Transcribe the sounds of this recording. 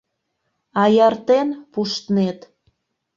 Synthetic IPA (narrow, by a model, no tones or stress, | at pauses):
ɑjɑrt̪enpuʃt̪net̪